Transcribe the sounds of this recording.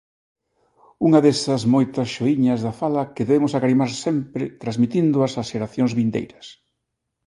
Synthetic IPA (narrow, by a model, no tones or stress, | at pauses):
uŋɐðesɐzmojt̪ɐsʃoiɲɐzðɐfalɐkeðeβemʊsakaɾimaɾsɛmpɾɪt̪ɾazmit̪ind̪ʊɐsaʃeɾaθjoŋzβind̪ḛjɾɐs